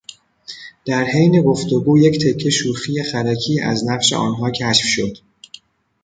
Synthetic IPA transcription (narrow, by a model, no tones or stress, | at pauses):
d̪̥æɾhejne̞ɡo̞ft̪oɡuːject̪ʰecʰːe̞ʃuːxijexæɾæcʰiːʔæ̰znæɢʃe̞̰ʔɒ̰ːnɦɒːcʰæʃfʃo̞d̪̥